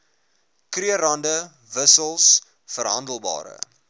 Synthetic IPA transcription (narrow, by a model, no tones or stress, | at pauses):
kriərɐndə | vəsəlˠs | fəɾɦɐndəlˠbɑ̰ːɾə̰